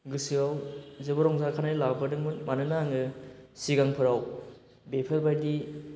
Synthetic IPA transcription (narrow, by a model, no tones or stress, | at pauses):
ɡɯsɯawzɯbɔɾɔŋzakʰanajlabɯdɯŋmɯnmanɯnaŋɯsiɡaŋpʰɯɾaw | bepʰɐɾbajdi